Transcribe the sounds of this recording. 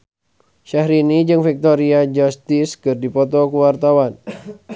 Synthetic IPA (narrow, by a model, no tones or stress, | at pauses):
ʃahɾinid͡ʒɨŋfik̚t̪oɾiad͡ʒast̪iskɨrdipɔt̪ɔkuwart̪awan